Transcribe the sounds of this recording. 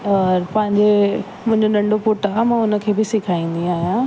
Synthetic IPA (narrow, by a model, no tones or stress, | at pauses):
ɔːɾpɐ̃ɦɪ̃ɲd͡ʑe | mʊ̃ɦɪ̃ɲd͡ʑoɗɐ̃ɳɖopʊʈamãʊnə̆kʰeːbɪsɪkʰaːĩːnd̪ĩaːɦijã